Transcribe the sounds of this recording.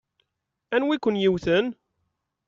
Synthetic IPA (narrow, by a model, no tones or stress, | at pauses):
ænwikʷʊnjiwθən